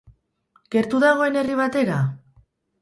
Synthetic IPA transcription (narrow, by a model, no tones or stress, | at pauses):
ɡ̥e̞ɾt̪uðaɣ̞o̞e̞ne̞riβ̞at̪e̞ɾa